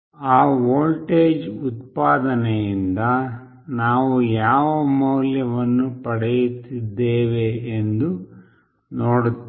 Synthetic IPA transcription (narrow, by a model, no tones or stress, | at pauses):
aːʋoːlʈeːd͡ʒut̪paːd̪ɐnɛjind̪ɐ | naːʋujaːʋɐmɐwljɐʋɐnːupɐɽɛjut̪ːid̪ːeːʋe̞ːnd̪u | noːɽut̪